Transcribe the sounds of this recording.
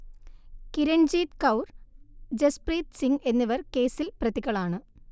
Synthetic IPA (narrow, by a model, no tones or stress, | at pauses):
kiɾɐɳd͡ʑiːt̪kɐwrd͡ʑespriːt̪siŋɡe̞nːiʋɐrke̞ːsilprɐt̪ikːɐɭaːɳɨ